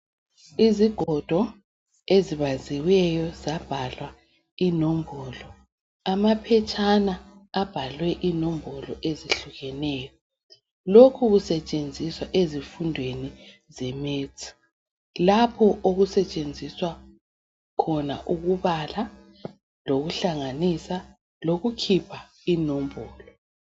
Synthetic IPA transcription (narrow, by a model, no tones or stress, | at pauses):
iziɡ̥ʱɔd̥ʱɔ | eziβaziwɛjɔzab̥ʱalwa | inombʱɔlɔ | amapʰɛt͡ʃʼanaab̥ʱalwɛʔinombʱɔlɔʔeziɬuɣɛnɛːjɔ | lokʰuɣusɛt͡ʃʼend͡zʱiswaʔezifundʱweni | zɛmeːt͡sʼʰi̥ | lapʰɔʔoɣusɛt͡ʃʼend͡zʱiswa | kʰɔna̰ʔuɣuβala | loɣuɬaŋanisa | loɣukʰipʰa | inombʱɔːlɔ